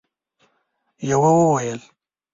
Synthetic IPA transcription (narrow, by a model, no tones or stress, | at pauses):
jawawəwajəl